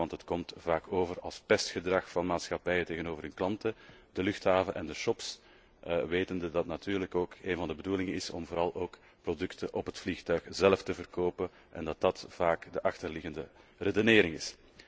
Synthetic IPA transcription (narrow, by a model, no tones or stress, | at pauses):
ɑntətkɔmtv̥aːkoːvərɑlˠspɛstxədrɑxfɑnmaːtsxɑpɛjəteːɣənoːvərɦənklɑntədəlʏxthaːvəʔɛndəʃɔps | ʋeːtəndədɑtnatyːrləkoːkeːnvɑndəbədulɪŋənɪsɔ̰mvoːɾɑlˠoːk | prodʏktəʔɔpɦətflixtœɥxzɛləftəvərkoːpən | ʔɛ̰ndɑt̚dɑtv̥aːkdəʔɑxtərlɪɣəndəredoneːɾɪŋɪs